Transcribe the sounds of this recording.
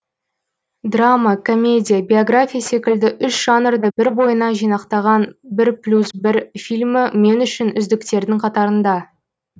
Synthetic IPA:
d̪ramakʰo̞mʲe̞dʲijabʲeoɡrafʲijase̞kʲɪld̪ɪʔʏʃʒ̥ɑnərd̪əbɪɾbo̞jənɑʒijnɑqt̪ɑʁɑnbɪɾplʲusbɪɾfilʲmɪme̞nʏʃɪnʏzd̪ɪkt̪e̞ɾd̪ɪŋqʰɑt̪ɑɾənd̪ɑ

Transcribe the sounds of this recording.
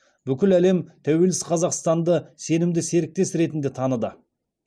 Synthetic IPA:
bʏkʲɪlæle̞mt̪ʰæwe̞lɪsqʰɑzɑqst̪ɑnd̪əse̞nɪmd̪ɪse̞ɾɪk̚t̪e̞sɾe̞t̪ɪnd̪et̪ʰɑnəd̪ə

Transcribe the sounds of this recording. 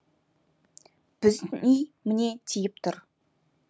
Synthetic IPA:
b̥ɪznijmɪne̞t̪ʰijɪp̚t̪ʰʊɾ

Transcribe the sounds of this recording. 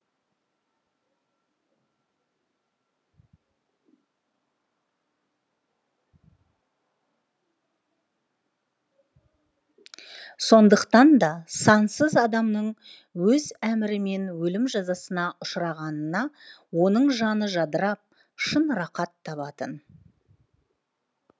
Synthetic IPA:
so̞nd̪əqt̪ɑnd̪ɑsɑnsəzɑd̪ɑmnəɴ | wɵzæmɪɾɪme̞nwɵlɪmʒɑzɑsənɑʔʊʃɾɑʁɑnənɑwo̞nəɴʒɑnəʒɑd̪əɾɑp̚ | ʃənɾɑqɑt̪ʰːɑβɑt̪ən

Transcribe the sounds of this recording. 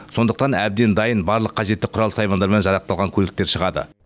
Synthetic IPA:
so̞nd̪əq̚t̪ɑnæb̚d̪e̞nd̪ɑjənbɑɾlˠəqʰːɑʒe̞t̪ːɪqʰʊɾɑlˠəsɑjmɑnd̪ɑɾmenʒɑɾɑq̚t̪ɑlˠʁɑŋkʲʰɵlɪk̚t̪e̞ɾʃəʁɑd̪ə̰

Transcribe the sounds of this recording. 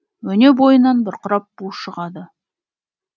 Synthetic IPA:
wɵne̞bo̞jənɑnbɪɾqʰʊɾɑp̚buʃəʁɑd̪ə

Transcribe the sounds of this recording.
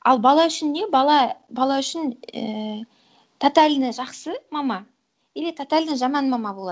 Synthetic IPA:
ɑ̰lˠbɑlˠɑʏʃɪnd̪e̞bɑlˠɑbɑlˠɑʏʃɪnə̰ | t̪ʰot̪alʲnɪʒɑqsəmɑmɑ | elet̪ʰot̪alʲd̪ɪʒɑmɑnmɑmɑbo̞lˠɑ̰

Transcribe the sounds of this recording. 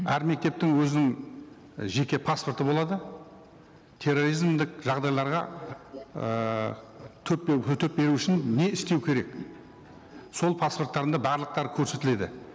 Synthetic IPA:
æɾme̞k̚t̪e̞p̚t̪ɪŋwɵzɪnɪŋ | ʒe̞kʲe̞pʰaspoɾt̪əbo̞lˠɑd̪ə | t̪ʰe̞rːo̞ɾijzmd̪ɪkʒ̥ɑʁd̪ɑjlˠɑɾʁɑ̰ | t̪ʰɵpːʰɵt̪ʰep̚be̞ɾuɪʃɪnːeɪst̪e̞wkʲʰe̞ɾe̞k | so̞lˠpʰaspo̞rt̪ːɑɾənd̪ɑbɑɾlˠəq̚t̪ɑɾkʲʰɵɾse̞t̪ɪle̞d̪ɪ

